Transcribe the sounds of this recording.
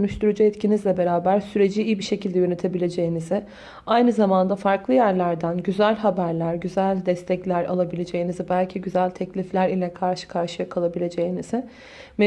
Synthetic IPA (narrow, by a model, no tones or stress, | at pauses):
ønyʃt̪ʰyɾyd͡ʒuɛt̪cʰinizlʲɛbe̞ɾaːbæɾsyɾe̞d͡ʒiijibiʃe̞cilʲd̪ɛjø̞net̪ʰe̞bilʲe̞d͡ʒe̞jinizɪ | ajnɯzamand̪afaɾklˠɯjæɾlʲæɾd̪ænɟyzælʲɦabæɾlʲæɾɟyzælʲd̪ɛst̪ʰɛclʲæɾa̰lˠabilʲe̞d͡ʒe̞jinizibælʲcʰiɟyzælʲt̪ʰɛclʲiflʲæɾilʲɛkʰaɾʃɯ̥kʰaɾʃɯjakʰalˠabilʲe̞d͡ʒe̞jiniz̥ɪ | me